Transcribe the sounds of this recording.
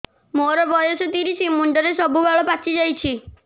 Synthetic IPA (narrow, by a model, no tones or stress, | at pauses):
moɾɔbɔjɔsɔt̪iɾisimuɳɖɔɾesɔbubaɭɔpat͡ʃʰid͡ʒajt͡ʃʰi